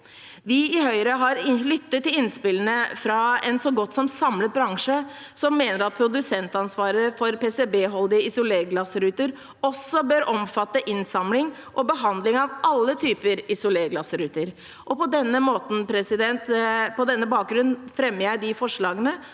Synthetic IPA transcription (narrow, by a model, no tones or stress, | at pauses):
ʋɪɪhœʏɾəɦɑɾlʏt̪ːət̪ʰːɪlɪnspɪlənəfɾɑɛnsɔɡɔt̪ːsɔmsɑmlət̪̚bɾɑŋʂə | sɔmːeːnəɾɑt̪̚pʰɾʊd̪ʉsɛnt̪ɑnsʋɑːɾəfɔɾpeːsɛbeːɦɔld̪ɪəɪsʊleːɡlɑsɾʉːt̪əɾ | ɔsːɔbøːɾɔmfɑt̪ːəʔɪnsɑmlɪŋ | ʔɔbəɦɑnd̪lɪŋɑʋʔɑlːət̪ʰyːpəɾɪsʊleːɡlɑsɾʉːt̪əɾ | ʔɔpɔd̪ɛnːəmoːt̪n̩pʰɾɛsɪd̪ɛnt̪pɔd̪ɛnːəbɑːk̚ɡɾʉnnfɾɛmːəjæɪɖɪfɔʂɭɑːɡənə